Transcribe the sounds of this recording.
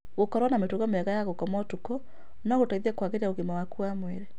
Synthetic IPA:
ɣokɔɾwanametuɣɔmeaɣajaɣokɔmɔtukɔ | naɣotaiðɛkwaɣeɾiaoɣemawakuamwɛɾɛ

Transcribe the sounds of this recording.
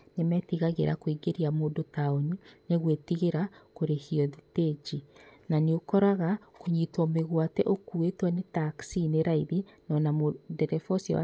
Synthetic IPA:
nemɛtiɣaɣḛɾa̰kwiɡeɾiamoːdotaonineɣwetiɣeɾakoɾehiɔðited͡ʒinaneokɔɾaɣakoɲitwɔmeɣwatɛʔokuetwanetaksineɾaiðinɔnamodɛɾɛfɔsiɔ̰a̰

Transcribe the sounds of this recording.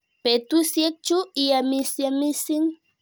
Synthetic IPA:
pet̪ʊsjek̚t͡ʃuijamɪsjamɪsɪŋ

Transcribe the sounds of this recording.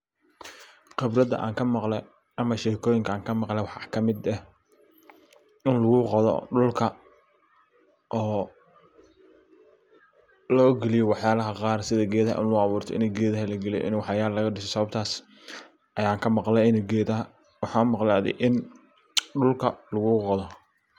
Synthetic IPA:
qɪbɾɐd̪ɐ̰ʔa̰ːŋkʰɐmɑqlɛ | ʔɐmɐʃɛːkʰɔːjɪŋkʰɐːŋkʰɐmɑqlɛwɑħɑkʰɐmɪd̪ɐh | ɪnlʊɣʊqɑðɔ̰ɖʊlkʰɐ | ʔɔː | lɔːɡɛlɪjɔwɑħjaːlɐɦɐqɑːrsɪðɐɡɛːðɐɦɐ̰ʔɪ̰nlʊɑβuːrt̪ʰɔɪ̰nɛɡɛːðɐɦɐlɐɡɛlɪj̰ʔɪ̰nwɑħjaːllɐɣɐɖɪsɔsɐβɐb̚t̪ʰaːs | ʔɐjaːŋkʰɐmɑqlɛɪnɛɡɛːðɐɦɐ | wɑħɑːmɑqlaːðɛ̰jʔɪn | ɖʊlkʰɐlʊɣʊːqɑðɔ

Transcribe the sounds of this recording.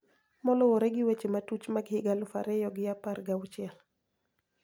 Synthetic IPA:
mɔlɔwɔɾɛɡɪwet͡ʃematut͡ʃmaɡhɪɡalʊfa̰ɾɛjɔɡɪaparɡaʊt͡ʃɪɛl

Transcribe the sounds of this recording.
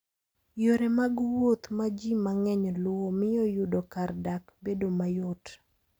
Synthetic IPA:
joɾemaɡwot̪mad͡ʒimaŋɛɲlwomɪjɔjʊdokardakbedomajot

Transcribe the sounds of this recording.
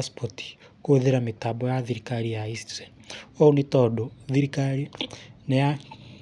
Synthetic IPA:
spoti̥ | koðeɾametabɔjaðiɾikaɾijaistɛ | oonitɔdoðiɾikaɾineja

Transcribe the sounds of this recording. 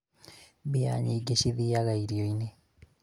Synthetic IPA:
bia̰ɲiːɡeʃiðiːaɣaiɾioine

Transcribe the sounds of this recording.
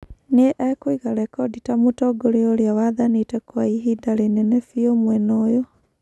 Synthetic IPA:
neʔɛkoiɣaɾɛkɔditamotɔɡoɾeoɾeawaðanitɛkwaiɦidaɾenɛnɛfiomwɛnojo

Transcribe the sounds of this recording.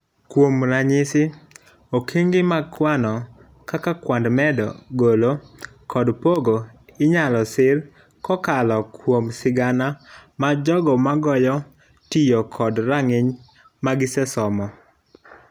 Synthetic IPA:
kwomɾaɲɪsɪ | okʰiŋɡɪmakwanɔ | kakakwandmɛdɔ̰ɡolo | kɔdpoɡoɪɲalɔsɪl | kɔkalɔkwomsɪɡanamad͡ʒɔɡɔmaɡɔjɔ | tijokʰɔdɾaŋɪɲ | maɡɪsɛsɔmɔ

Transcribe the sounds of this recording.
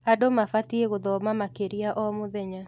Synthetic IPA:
adomafatieɣʊd̪ɔmamakeɾiaʔɔmʊðɛɲa

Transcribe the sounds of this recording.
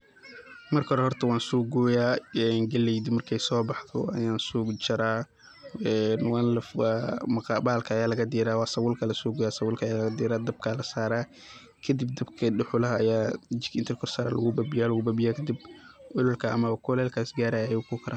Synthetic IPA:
mɐrkʰɔɾɛhɔrt̪ʰɐwɑːnsuːɡɡɔːjaːɛnɡɐlɛjd̪ɪmɐrkʰɛjsɔːbɑħd̪ɔ̰ɐ̰jaːnsuːɡt͡ʃɐɾaː | ɛːnwɑːnlɐfamɐqɑːbaːlkʰɐːjaːlɐɣɐd̪iːɾaːwɑːsɐwʊlkʰɐlɐsɔːɡuːjaːsɐwʊlkʰɐjaːlɐɣɐd̪iːɾaːd̪ɐb̚kʰalɐsaːɾaː | kʰɐd̪ɪb̚d̪ɐbkʰɐɖʊħʊlɐɦɐjaːɪnt̪ʰɛrkʰɔrsaːɾa̰ːlɐɣʊbabɪjaːlɐɣʊbabɪjaːkʰɐd̪ib̚ʔʊlʊlkʰɐʔɐmɐβɐkʰɔlɛːlkʰaːsɡaːɾaːjjukʰʊkʰɐɾʔaː

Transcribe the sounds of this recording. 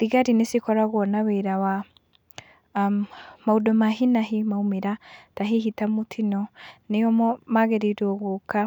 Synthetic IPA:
ðiɣaɾinesikɔɾaɣwɔnaweɾawa | maudɔmaɦinaɦimaumeɾataɦiɦitamutʰinɔneɔmɔmaɣeɾiɾɔɣoka

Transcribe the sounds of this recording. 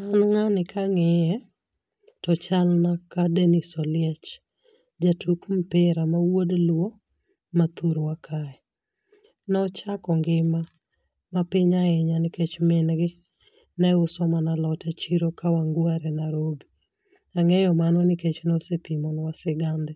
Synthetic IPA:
anŋanɪkʰaŋɛjɛ | tɔt͡ʃalnakadenisɔlɪɛt͡ʃ | d͡ʒatukm̩pɪɾamawodlwo | mat̪uɾwakʰaɛ | nɔt͡ʃakɔŋɡɪma | mapɪɲaɛɲanɪket͡ʃmɪnɡɪ | naʊsɔmanalɔtɛt͡ʃiɾokawaŋɡwaɾɛnaɾobi | aŋɛjɔmanɔnɪket͡ʃnɔsepimɔnwasɪɡandɛ

